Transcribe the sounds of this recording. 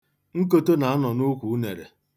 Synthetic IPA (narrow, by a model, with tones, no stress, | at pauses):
ŋ̩˦k̬o˦to˦na˨a˦nɔ˨nʊ˦kʷu˨u˦nḛ˨ɾḛ˨